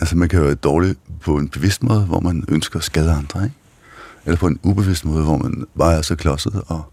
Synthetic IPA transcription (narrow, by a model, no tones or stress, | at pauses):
ælsəmænkʰæjoæːɐd̥ɒːlipʰɒ̽e̝nb̥e̝ʋe̝sd̥mɔ̽ːð̞̩ˠəʋɒ̰mænønsɡ̥ɐːsɡ̥ɛð̞ˠəɑ̈nd̥ʁɐeɡ̥ | elɐpʰɒ̽e̝nub̥e̝ʋe̝sd̥mɔ̽ːð̞ˠʋɒmænb̥ɑ̈ːæɐsɒkʰlɒ̽səð̩ˠɒ̽